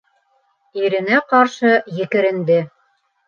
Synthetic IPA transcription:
iɾɘ̆næqɑɾʃɤjɘ̆kɘ̆ɾɘ̆nd̪ɘ

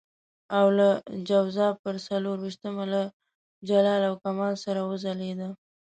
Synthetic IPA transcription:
awlad͡ʒawzɑpəɾsaloɾwiʃt̪əmala | d͡ʒalɑlawkamɑlsaɾawəzaled̪a

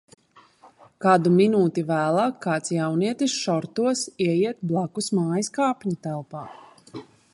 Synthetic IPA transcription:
kad̪uminuːt̪ivæːlˠaːkʰːaːt̪sjawniɛt̪isʃɔɾt̪uɔsiɛjiɛt̪̚blˠakusmaːjiskaːpʲɲut̪ælˠpaː

